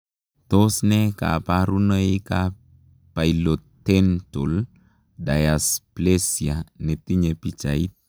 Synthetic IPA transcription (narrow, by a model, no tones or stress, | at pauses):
tosnɛka̰paɾunəika | pajlottːentol | dajasplesijanet̪iɲepit͡ʃait̚